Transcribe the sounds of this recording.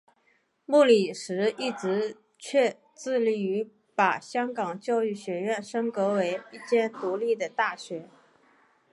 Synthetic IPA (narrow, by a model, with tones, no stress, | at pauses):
mu˥˩li˨˩ʂɻ̩˧˥i˥˩ʈ͡ʂɻ̩˧˥ | t͡ɕʰɥɛ˥˧ | t͡sɹ̩˥˧li˥˩y˧˥ | pa˨˩ɕjɑ˥ŋkɑ˨˩ŋt͡ɕjɑ˥˧ʊy˥˩ɕɥɛ˧˥ɥɛ˥˩nʂɤ˥ŋkɤ˧˥we˧˥ɪi˥˩t͡ɕjɛ˥˩nt̪u˧˥li˥˩d̪ə˩t̪a˥˩ɕɥɛ˧˥